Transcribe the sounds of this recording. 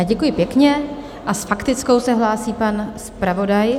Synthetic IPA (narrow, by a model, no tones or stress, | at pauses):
ɟɛkujɪpjɛkɲɛ | ʔasfakt̪ɪt͡sko̞wsɛɦlaːsiːpanspɾavo̞daj